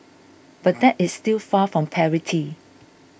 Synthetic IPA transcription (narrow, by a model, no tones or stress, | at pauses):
b̥at̚dɛtɪsstilˠfafɹɔ̃mpʰɛɹitʰi